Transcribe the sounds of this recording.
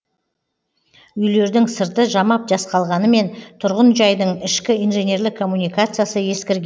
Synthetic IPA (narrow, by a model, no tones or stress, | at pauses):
ʏjle̞ɾd̪ɪŋsəɾt̪əʒɑmɑp̚ʒɑsqɑlˠʁɑnəme̞nt̪ʰʊɾʁənʒɑjd̪əɴɪʃkʲɪijnʒe̞nʲe̞ɾlɪkʰːo̞mːunijkat̪sɨjasəje̞skʲɪɾɡʲ